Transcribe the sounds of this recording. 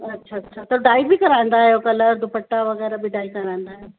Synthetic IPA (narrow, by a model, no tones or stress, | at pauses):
ɐtːʃʰaɐtːʃʰat̪ɐɖaːibɪkɐɾãn̆d̪aːɦjokɐləɾd̪ʱʊpəʈːaʋɐɣɛːɾabiɖaːikɐɾãnd̪aːɦjo